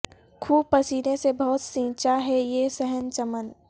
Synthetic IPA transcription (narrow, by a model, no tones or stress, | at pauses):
kʰuːpəsiːɾẽsebɔɦʊt̪sĩːt͡ʃaɦɛjesɛɦənt͡ʃəmən